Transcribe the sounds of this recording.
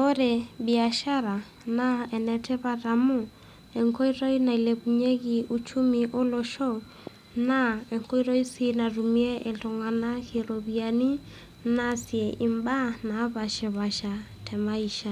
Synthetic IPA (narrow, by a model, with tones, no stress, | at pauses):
o˦ɾɛbia˨ʃaɾa˨ | naɛ˨nɛtʰɛ˦βaɾamu | ɛŋkɔ˦iɾɔ˦ina˨i˨lɛβuɲɛ˦ɣi˨ʔu˦t͡ʃu˦miʔo˦lɔʃɔ | naɛ˨ŋkɔ˦iɾɔ˦i˦si˦na˨ɾumi˦ɛ˦ʔɛ˨tɔ˨ŋa˨na˦ɣe˨ɾɔβiani˦ | nasiɛʔi˨mba˦na˨˦βa˨ʃɛ˨βa˨ʃa˨ | tʰɛmai˨ʃa˨